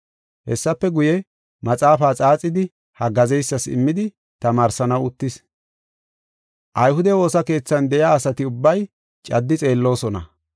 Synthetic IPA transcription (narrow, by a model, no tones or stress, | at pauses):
hɛsːɐpːɛɡʊjɛ | mɐt͡sʼaːfaːt͡sʼaːt͡sʼːɪd̪ɪ | hɐɡɐzɛjsːɐsɪ̰mːɪd̪ɪ | t̪ɐmaːɾsɐnɐwʊt̪ːɪs | ʔɐjhʊd̪ɛwo̞ːsɐke̞ːt͡sːɐnd̪ɛjaːsɐt̪ɪʊbːɐj | t͡ʃʼɐd̪ːɪt͡sʼe̞ːlːo̞ːsɔnɐ̰